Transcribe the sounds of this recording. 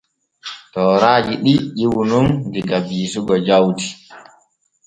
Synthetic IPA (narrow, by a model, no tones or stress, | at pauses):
tɔːɾaːd͡ʒiɗiɗiwunundiɡabiːsuɡɔd͡ʒawti̥